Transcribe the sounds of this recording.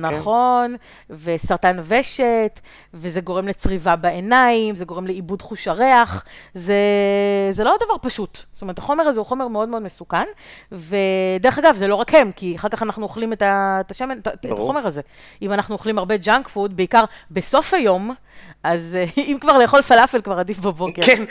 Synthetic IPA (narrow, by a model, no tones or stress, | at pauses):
naχo̞n | vesaʁtanveʃet | vezeɡo̞ʁemlet͡sʁivabeenaimzeɡo̞ʁemleibudχuʃaʁeaχzezelo̞d̪avaʁpaʃutst̪omeʁtʰaχo̞meʁazeuχo̞meʁmeo̞d̪meo̞d̪mesukanved̪eʁeχaɡavzelo̞ʁakhe̞mkiaχaʁkaχanaχnuoχlimetaetaʃemetaetaχo̞me̞ʁaze | imanaχnuoχlimaʁbe̞d͡ʒaŋkfud̪beikaʁbeso̞fajo̞m | ʔazimkvaʁleːχo̞lfalafelkvaʁadifbabo̞ke